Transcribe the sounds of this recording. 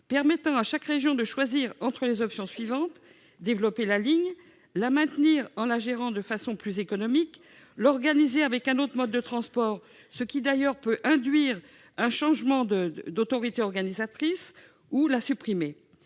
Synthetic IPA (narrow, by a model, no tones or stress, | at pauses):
pɛʁmɛt̪ɑ̃aʃakʁeʒjɔ̃d̪əʃwaziʁɑ̃t̪χəlezɔpsjɔ̃sɥivɑ̃t̪ | d̪evlɔpelaliɲ | lamɛ̃t̪niʁɑ̃laʒeʁɑ̃d̪əfasɔ̃plyzekɔnɔmik | lɔʁɡanizeavɛkɛ̃not̪χəmɔd̪ːət̪χɑ̃spɔʁ | səkʲid̪ajœʁpøʔɛ̃d̪ɥiʁ | ɛ̃ʃɑ̃ʒmɑ̃d̪əd̪ot̪ɔʁit̪eɔʁɡanizat̪χis | ulasypχime